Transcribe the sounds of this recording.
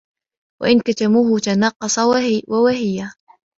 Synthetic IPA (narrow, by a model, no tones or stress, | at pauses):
wa̰ʔɪnkat̪amuːhʊt̪anɑqːɑsˤɑwawahɪja